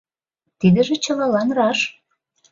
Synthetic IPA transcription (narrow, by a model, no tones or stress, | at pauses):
t̪id̪ə̆ʒĕt͡ɕɤ̆lɑlɑnrɑʃ